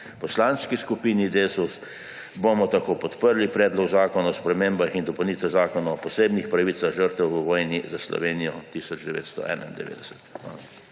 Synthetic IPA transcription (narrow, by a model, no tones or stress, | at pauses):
pɔslanskiskupiːnid̪esus | bomɔt̪akoːpɔt̪pəɾlipɾɛːd̪lɔɡzaːkɔnaɔspɾɛmeːmbaxind̪ɔpɔniːt̪ɛzaːkɔnɔɔpɔseːbnixpɾaʋiːsaɣʒəɾt̪ɛwʋəʋɔːjnizaslɔ̰ʋeːnijɔt̪isɔd͡ʒd̪ɛʋḛːt̪st̪ɔ̰ʔɛ̰ːna̰ind̪ɛ̰ʋḛːd̪ɛsɛ̥t̪a̰nɔ